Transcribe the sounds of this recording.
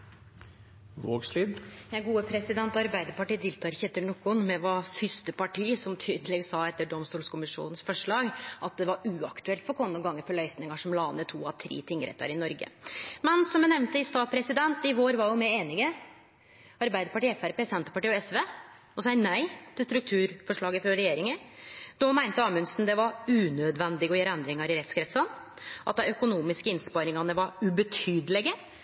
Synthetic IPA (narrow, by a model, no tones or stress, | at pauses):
ʋo̰ːɡsliːd̪jæɪɡuːəpʰɾɛsɪd̪ɛnt̪ɔɑɾbæɪd̪əɾpɑʈiːt̪ʰɪlt̪ʰɑːɾçɛt̪ːəɳɔkːʊnmɛʋɑfʏst̪əpɑʈʰiːsɔmt̪ʰyːd̪əlɛɡsɑːɛt̪ːəɖɔmst̪uːlskʊmɪʂṵːnən̩sfɔʂɭɑːɡʔɑt̪̚d̪ɛʋɑɾʉɑkt̪ʉɛlt̪fɔɾkʰɔnːɔɡɑŋːəɾfɔɭœʏsnɪŋəʂɔmlɑːnət̪ʰuːɑʋt̪ʰɾḛːt̪ʰɪŋːəɾɛ̰t̪ːɑ̰ɾɪnɔɾɡə̰mɛnsɔmɛnɛʋnt̪əɪst̪ɑːpʰɾɛsɪd̪ɛnt̪ɪʋoːɾʋɑɾjʊmæɪeːnɪɡə | ɑɾbæɪd̪əɾpɑʈiːɛfæɾpeːsɛnt̪ə̥pɑʈiːɔɛsʋeː | ɔsɛɪnæɪt̪ʰɪlst̪ɾʉk̚t̪ʰʉːɾfɔʂɭɑːɡəfɾɔɾɛjeːɾɪŋəd̪ɔmæɪnt̪əɑːmʉnsnd̪ɛʋɑɾʉːnød̪ʋɛnd̪ɪɡəɔjeːɾɛnd̪ɾɪŋɑɾɪɾɛt̪skɾɛt̪sɑn | ʔɑ̰t̪̚d̪ɛœkʊnuːmɪskəɪnspɑɾɪŋɑnəʋɑɾʉbət̪ʰyːd̪əlɛɡə